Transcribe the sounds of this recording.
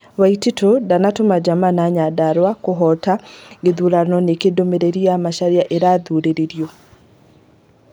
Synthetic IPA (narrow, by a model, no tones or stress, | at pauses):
waititodanatomad͡ʒamanaɲadaɾwakoɦɔtaɡeðuɾanɔnekedomeɾeɾiamaʃaɾiaʔeɾaðuɾeɾeɾjɔ